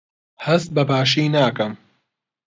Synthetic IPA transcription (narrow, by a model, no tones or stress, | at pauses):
hɐst̪̚bɐbaːʃiːnaːkɐm